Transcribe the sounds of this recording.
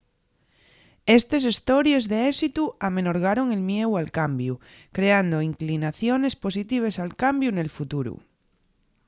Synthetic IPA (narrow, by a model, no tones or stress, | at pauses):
est̪es̬est̪oɾjezðeesit̪uamenoɾɣ̞aɾo̞ŋe̞lmjewalkambju | kɾe̞and̪oiŋklinaθjone̞spo̞sit̪iβ̞esalkambjune̞lfut̪uɾṵ